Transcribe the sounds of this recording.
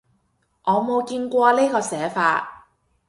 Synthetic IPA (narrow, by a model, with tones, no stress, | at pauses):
ʔɔː˨˧mo˨˧wkiː˧nkʷɔː˧leː˥kɔː˧sɛː˨˥faː˧t̚